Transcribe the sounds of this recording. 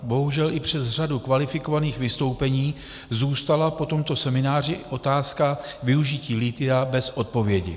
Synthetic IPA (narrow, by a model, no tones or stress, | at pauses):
bo̞ɦuʒɛlʔɪpr̝̥ɛzr̝adukvalɪfɪko̞vaniːxvɪst̪o̞wpɛɲiː | zuːst̪alapo̞t̪o̞mt̪o̞sɛmɪnaːr̝ɪʔo̞t̪aːskavɪuʒɪciːlɪt̪ɪɾabɛsʔo̞t̪̚po̞vjɛɟɪ̰